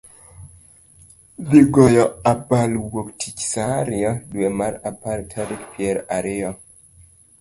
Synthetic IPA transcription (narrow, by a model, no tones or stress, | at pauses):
biɡɔjɔapalwoktʰit͡ʃsaɾiɔduemaɾapaɾtʰaɾikpiɛɾaɾiɔ